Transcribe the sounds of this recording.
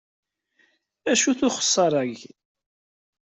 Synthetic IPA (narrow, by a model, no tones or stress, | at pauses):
æʃuθʊχə̥sˤːɑɾˤæʝ